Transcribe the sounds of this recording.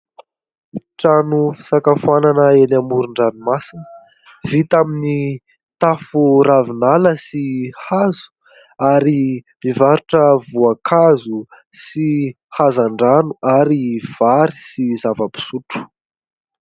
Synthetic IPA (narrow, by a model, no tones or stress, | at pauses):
ʈ͡ʂanufi̥sakafuananəenamuɾuɳɖ͡ʐanumasinə | vit̪amini | t̪afuɾavinaləsihazu̥ | aɾimivaɾuʈ͡ʂəvuakʰazu | si | hazaɳɖ͡ʐanuaɾiv̥aɾi̥sizavəpi̥suʈ͡ʂu̥